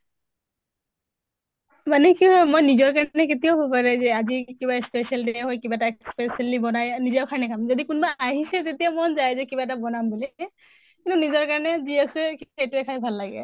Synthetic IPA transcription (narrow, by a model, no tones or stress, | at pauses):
manɛkiɦɔjmojnizɔɹkaɹnɛk̬etijaʊbʱapaɹɛzɛazikibaspesialdeɦɔjkibataspesialibɔnajnizaʊkʰanɛkʰamzodikʊnbaʔaɦisɛtetijamɔnzajzɛkibaɛtabɔnambuli | kintʊunizɔɹkaɹnɛziasɛkietʊɛkʰajbʱalːaɡɛ̰